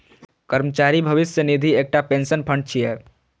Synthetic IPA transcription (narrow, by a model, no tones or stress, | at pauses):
kəɾmət͡ʃaɾibʱəʋisjənid̪ʱiek̚ʈapensənpʰəɳɖ̚t͡ʃʰijɛ